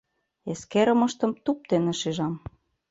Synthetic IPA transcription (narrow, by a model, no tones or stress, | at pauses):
eskeɾə̆mɤ̆ʃt̪ɤ̆mt̪up̚t̪enĕʃeʒɑm